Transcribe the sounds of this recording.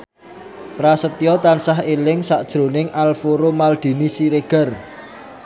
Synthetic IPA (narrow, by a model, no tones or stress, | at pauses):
pɾasət̪ijɔt̪ansaɦelɪŋsaʔd̥ʒ̥ɾo̤nɪŋʔalfoɾomald̪̥i̤nisiɾeɡ̥ə̤r